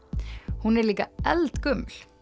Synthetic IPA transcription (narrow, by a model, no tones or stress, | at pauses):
hunɛɾliːkaɛlt̪kʏmːl